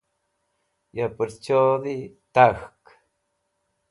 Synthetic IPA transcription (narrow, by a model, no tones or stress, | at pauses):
japɨɾt͡ʃoðit̪axk